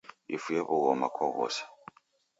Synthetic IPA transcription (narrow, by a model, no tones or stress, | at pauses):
ifujeβuɣɔmakʰɔɣɔ̰sḁ